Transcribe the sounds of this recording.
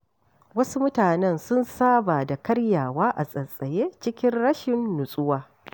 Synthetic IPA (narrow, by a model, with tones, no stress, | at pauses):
wɐ˦su˦mʊ˦taː˨nɛ˦nsʊ˦nsaː˦baː˨da˨kɐ˦ɽjaː˨waː˦ʔa̰˨sʼɐ˨sʼɐ˨jeː˦t͡ʃɪ˦kʲɪ˦nɽɐ˦ʃɪ˨nːʊ˨sʼʊ˦waː˦